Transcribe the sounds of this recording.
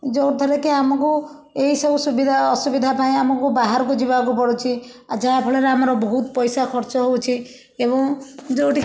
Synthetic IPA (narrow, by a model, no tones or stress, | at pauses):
d͡ʒɔwt̪ʰɔɾekeamɔku | eɦisɔbusubid̪ʱaɔsubid̪ʱapaĩamɔkubaɦaɾɔk̬ud͡ʒibak̬upɔɽut͡ʃʰi | ad͡ʒaɦapʰɔɭeɾeamɔɾɔbɔɦut̪ɔpɔjsakʰɔɾt͡ʃɔɦowt͡ʃʰi | ebɔŋd͡ʒowʈi